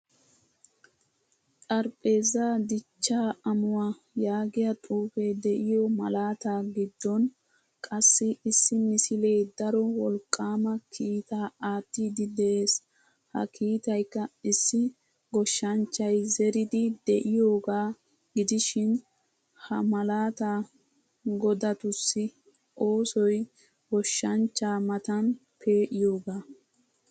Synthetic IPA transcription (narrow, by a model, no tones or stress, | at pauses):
tʼɐɾpʼe̞ːzaːd̪ɪt͡ʃːaːɐmʊwa | jaːɡɪjɐt̪ʼuːfed̪ɛʔɪjɔmɐ̰laːt̪aːɡɪd̪ːɔn | kʼɐsːɪɪsːɪmɪsɪle̞ːd̪ɐɾɔwɔlkʼːaːmɐkʰiːt̪aːaːt̪ːiːd̪ɪd̪ɛʔe̞ːs | hɐ̰kʰiːt̪ɐjkːɐɪsːɪ | ɡɔʃːɐnt͡ʃːɐjzɛɾɪd̪ɪd̪ɛʔɪjo̞ːɡaː | ɡɪd̪ɪʃɪn | hɐmɐlaːt̪aː | ɡɔd̪ɐt̪ʊsːɪ | ʔo̞ːsɔj | ɡɔʃːɐnt͡ʃːaːmɐt̪ɐn | pʰe̞ːʔɪjo̞ːɡaː